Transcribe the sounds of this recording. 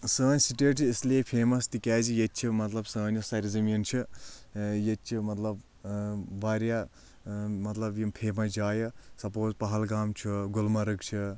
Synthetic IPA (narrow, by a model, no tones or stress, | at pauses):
səːnʲsiʈet͡ʃʰiːslepʰeːmɐst̪ikɛːd͡ʒijet̪̚t͡ʃʰimɐt̪lɐbsəːnjosɐɾizɐmjɐnt͡ʃʰɨ | jet͡ʃʰimɐt̪lɐb | baːɾja | mɐt̪lɐbjimpʰeːmɐd͡ʒaːjɐsɐpoːzpɐɦɐlɡaːmt͡ʃʰuɡulmɐɾɨk̚t͡ʃʰɨ